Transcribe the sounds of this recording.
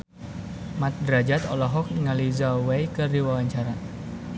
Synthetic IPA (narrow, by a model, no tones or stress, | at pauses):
mat̪̚dɾad͡ʒat̪ɔlɔɦɔk̚niŋalizawejkərdiwawaɲt͡ʃaɾa